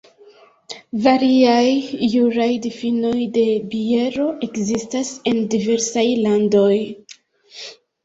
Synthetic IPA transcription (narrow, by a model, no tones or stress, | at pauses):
vaɾiajːuɾajdifino̞jde̞bie̞ɾo̞ʔe̞kzistase̞ndive̞ɾsajlando̞j